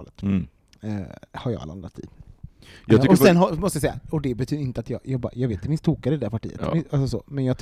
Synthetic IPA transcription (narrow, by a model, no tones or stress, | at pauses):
lət̪ː | haɾjɑ̰ɡa̰la̰nd̪ɾa̰t̪ʰḭ | jɔsɛnːɦɔmɔst̪jasɛjːa̰ɔd̪ɛbɛt̪ʰyːd̪ɾɪnt̪əat̪jɑ̰jɑːɡbɑ̰ːɾjɑːɡveːt̪ɪmɪnst̪ʰːuːkaɾɪd̪ɛɾpaʈḭːə̰t̪alsɔsɔ̰mɛnjɑːɡt̪ʰ